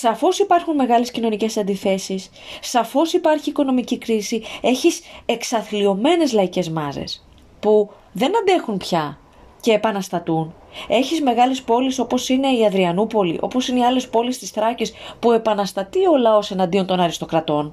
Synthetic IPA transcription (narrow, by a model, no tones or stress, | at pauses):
sɐfo̞sipɐɾxunme̞ɣɐle̞scino̞nice̞sɐnd̪iθe̞sisː | ɐfo̞sipɐɾçiːko̞no̞micikɾisie̞çise̞ksɐθlio̞me̞ne̞zlɐice̞zmɐ̰zḛs | pu | ðe̞nɐnd̪e̞xunpçɐ | ce̞ːpɐnɐst̪ɐt̪un | e̞çizme̞ɣɐle̞spo̞liso̞po̞sine̞iɐðɾiɐnupo̞lḭʔo̞̰po̞sineiɐle̞spo̞list̪isθɾɐcispue̞pɐnɐst̪ɐt̪io̞lɐo̞se̞nɐnd̪io̞nt̪o̞nɐɾist̪o̞kɾɐt̪o̞n